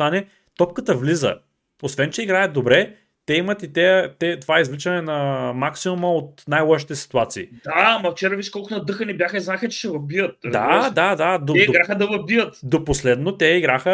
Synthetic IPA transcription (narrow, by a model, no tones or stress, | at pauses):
t̪anɛ | t̪ɔp̚kət̪əvlizə̰ | osvɛnt͡ʃɛiɡɾajət̪̚d̪obɾɛ | t̪ɛimɐt̪it̪ɛt̪ɛt̪ovaɛizvlit͡ʃɐnɛnɐmaksimumɐot̪̚najlˠɔʃi̥t̪ɛsi̥t̪uat̪siːd̪amɐft͡ʃɛɾaviʃkɔlˠkʊnɐd̪ɤxənibjaxəiznaɛxɐt͡ʃɛ̥ʃɛvɐbijət̪̚ɾɐzd̪ad̪ad̪ad̪oɛiɡɾaxəd̪ɐvɐbijət̪d̪oposlɛd̪not̪ɛiɡɾaxə